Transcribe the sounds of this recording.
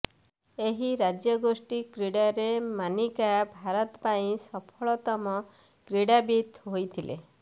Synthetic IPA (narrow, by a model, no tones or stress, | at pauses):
eɦiɾad͡ʒjɔɡosʈikɾiɽaɾemanikabʱaɾɔt̪paĩsɔpʰɔɭɔt̪ɔmɔ | kɾiɽabit̪ɦojt̪ʰilḛ